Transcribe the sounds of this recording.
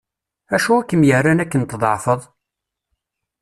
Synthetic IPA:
æʃuækːəmjərːænækːənt̪ðˤə̰ʕfəðˤ

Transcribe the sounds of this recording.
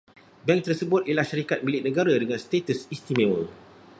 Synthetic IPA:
bɛŋk̚t̪ərsəbʊt̪ilahʃaɾikat̪̚milɪt̪̚nə̃ɡaɾadəŋãnst̪et̪əsist̪imewəl

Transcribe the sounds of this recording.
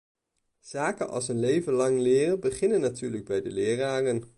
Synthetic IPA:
z̥aːkənɑ̰lˠsənlejvənlɑŋlɪːrəbəχɪnənːatyːɹləɡ̚bɛjdəlɪːraːrən

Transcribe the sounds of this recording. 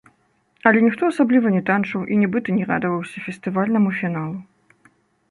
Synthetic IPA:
ɐlʲɛnʲixt̪ɔɐsablʲivɐnʲɛt̪ant͡ʂɐwʔinʲɛbɨt̪ɐnʲɛɾa̰d̪ɐvɐwsʲɐfʲɛst̪ɨvalʲnɐmufʲinalˠu

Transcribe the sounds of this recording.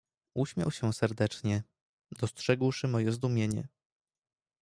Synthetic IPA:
uɕmʲja̰wɕɛsɛɾd̪ɛt͡ʂɲɛ | d̪ɔstʂɛɡwʂɘmɔjɛzd̪umʲjeɲɛ̰

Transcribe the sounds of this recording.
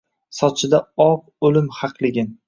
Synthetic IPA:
sɒt͡ʃʰɪd̪aɒp | olɪmhɑqlˠɪɡʲɪn

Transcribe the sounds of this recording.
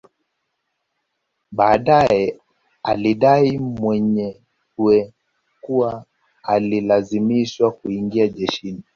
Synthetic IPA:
ɓaːɗajɛ | aliɗaimwɛɲɛ | wɛ | kuwaː | lilazimiʃwakuiŋɡiaʄɛʃini

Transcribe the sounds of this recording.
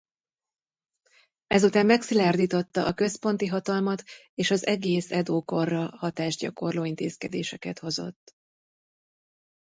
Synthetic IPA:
ɛzut̪aːmːɛksilaːrd̪iːt̪o̞t̪ːɒʔɒkø̞spo̞n̪t̪iɦɒt̪ɒlmɒt̪ | eːʃɒzɛɡeːsɛd̪oːko̞rːɒhɒt̪aːʒɟɒ̰ko̞rloːint̪eːskɛd̪eːʃɛkɛt̪ho̞zo̞̰t̪ː

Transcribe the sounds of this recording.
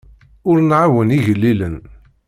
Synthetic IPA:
ʊɾnʕawəniʝəlːilən

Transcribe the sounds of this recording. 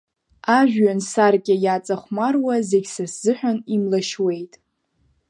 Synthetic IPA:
aʒᶣɥansarɡʲʼɪjat͡sʼaχʷmarwazeɡʲsaszɨħᶣanimlaʃwe̞jtʼ

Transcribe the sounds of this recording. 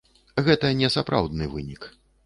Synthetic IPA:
ɣɛt̪ɐnʲɛsapɾʔa̰wd̪nɨvɨnʲik

